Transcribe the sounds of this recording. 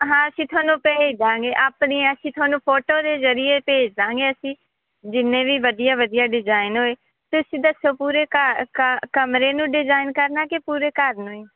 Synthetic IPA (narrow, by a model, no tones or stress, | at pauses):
ɦãːəsĩːt̪ʰʊaːnũːpɛːid̪ãːŋ̆ɡeːʔaːpniːəsĩːt̪ʰʊaːnũːpʰoːʈoːd̪eːzəɾijeːpeːd͡ʒd̪ãːŋɡeːəsĩː | d͡ʒɪnẽːʋiːʋəd̪ijaːʋəd̪ɪjaːɖɪzaːɪnɦoːeː | t̪ʊsĩːd̪əsoːpuːɾeːkəkkəmɾeːnũːɖɪzaːɪnkəɾnaːkepuːɾeːkəɾnũːeː